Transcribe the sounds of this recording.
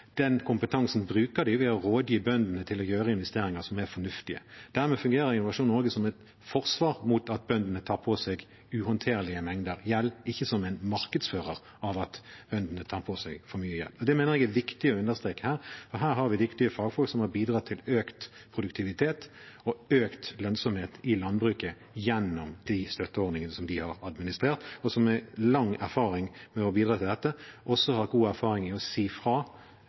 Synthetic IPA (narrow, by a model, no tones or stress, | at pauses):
d̪̥ɛnkʰʊmpət̪ʰɑŋsnbɾʉːkəd̪ɪʋɪhɑɾoːd̪jibœnd̪ənət̪ʰɪlɔjøːʁəɪnʋɛst̪eːɾɪŋəʁsɔmæɾfɔnʉft̪ɪə̰d̪̥æɾmɛːfʉŋɡeːɾəɾɪnʊʋɑʂuːnoːɡəsɔmɛt̪ | fɔʁsʋɑːʁmuːt̪ɑt̪̚bœnd̪ənət̪ʰɑːpʰosɛɡ | ʉhɑnt̪ʰeːʁlɪəmɛŋd̪əɾjɛlːɪçːəsɔmæɪnmɑɾkəd̪sføːʁəʁ | ɑʋɑt̪b̥œnd̪ənət̪ʰɑːɾpʰoːsɛ̰ɡfɔɾmyːəjɛ̰lːɔd̪ɛmeːnəʁɛːɡæʋɪkt̪ɪɔʉnd̪əst̪ɾeːkəhæːɾfɔɾɦæːɾhɑɾʋɪd̪ɪkt̪ɪəfɑːɡfɔlksɔmhɑɾbiːd̪ɾɑːt̪ʰːɪløːkt̪pʰɾʊd̪ʉkt̪ʰɪʋɪt̪ʰeːt̪ɔøːkt̪lœnsɔmheːt̪ɪlɑnbɾʉːkə | jɛnːʊmd̪̥ist̪œt̪ːəɔɾd̪nɪŋənəsɔmd̪ɪhɑɾɑd̪mɪnɪst̪ɾeːʁt̪ɔsɔmɛlɑŋæ̰ɾfɑːɾɪŋmɛɔbiːd̪ɾɑːt̪ɪld̪ɛt̪ːəʔɔsːɔhɑɾɡuːæɾfɑːʁɪŋɪɔsiːfɾɑː